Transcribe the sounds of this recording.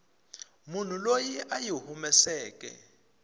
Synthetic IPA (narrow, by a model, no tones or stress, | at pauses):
mun̤ulojiʔajuhumɛsɛːk̬ʼɛ̰